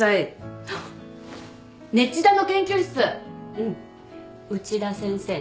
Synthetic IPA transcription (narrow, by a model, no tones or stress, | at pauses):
ai | ne̞t͡ɕːid̪anokẽ̞ŋkʲoɕsɨɯ̟̃ɴ | ɯ̟t͡ɕiɾasẽ̞ɰ̃se̞ː